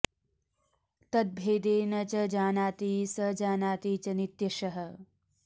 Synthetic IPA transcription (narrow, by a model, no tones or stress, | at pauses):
t̪ɐd̪̚bʱeːd̪eːnɐt͡ʃɐd͡ʒaːnaːt̪iːsɐd͡ʒaːnaːt̪iːt͡ʃɐnit̪jɐʃɐɦɐ̆